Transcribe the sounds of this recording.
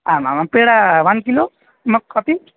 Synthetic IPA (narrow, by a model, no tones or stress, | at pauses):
amamapeɽaʋankilo | mək̚kʰɔp̪i